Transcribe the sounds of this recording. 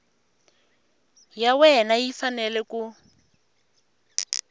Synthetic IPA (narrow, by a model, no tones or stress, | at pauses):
jawɛnajifanɛlɛku